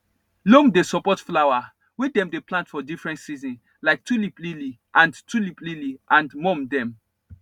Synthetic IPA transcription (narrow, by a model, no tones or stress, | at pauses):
lomdesɔpɔtflawa | wɛdɛ̃mdeplãntfɔdifɹɛ̃ntsizɔ̃n | laɪk̚tuliplili | ʔãntulipliliʔãndmɔ̃mdɛ̃m